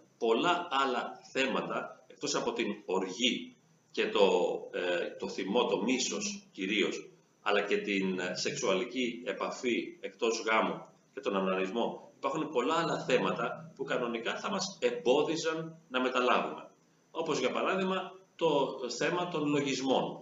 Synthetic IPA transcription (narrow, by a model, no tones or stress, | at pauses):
po̞lɐɐlɐθe̞mɐt̪ɐek̚t̪o̞sɐpo̞t̪inoɾʝi | ce̞t̪o̞ | t̪o̞θimo̞t̪o̞miso̞sciɾio̞s | ɐ̰lɐce̞t̪inse̞ksuɐlicie̞pɐfie̞kt̪o̞zɣɐmo | ce̞t̪o̞nɐmnɐnizmo̞ipɐɾxunpo̞lɐɐlɐθe̞mɐt̪ɐpukɐno̞nikɐθɐmɐse̞mbo̞ðisɐnːɐme̞t̪ɐlɐvume̞̰ | o̞po̞zʝɐpɐɾɐðiɣmɐt̪o̞θe̞mɐt̪o̞nlo̞ʝizmo̞n